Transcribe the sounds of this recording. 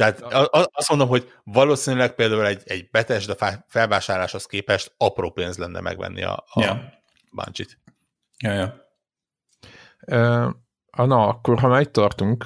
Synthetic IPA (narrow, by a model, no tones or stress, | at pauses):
t̪ɛaːt̪ɒɒst̪mo̞nd̪omɦo̞ɟ | vɒloːsiːnylɛk̚peːld̪aːulɛɟɛɟbɛt̪ɛʒd̪ɒfafɛlvaːʃaːrlaːʃho̞skeːpɛʃt̪ɒproːpeːnzlɛnːɛ̰mɛ̰ɡʋɛ̰nːʔḭɒ̰ː | bɒ̰nt͡ʃit̪ | jojo | øː | ɒnoɒkːorɦɒmaːit̪ːɒrt̪uŋk